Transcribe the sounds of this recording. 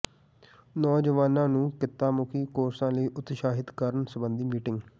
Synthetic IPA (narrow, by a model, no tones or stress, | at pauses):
nɔːd͡ʒəʋaːnãːnũːkɪt̪ːaːmʊkʰiːkoːɾsãːləiːʔʊt̪ʃaːɦɪt̪kəɾənsəbənd̪iːmiːʈɪ̃ŋɡ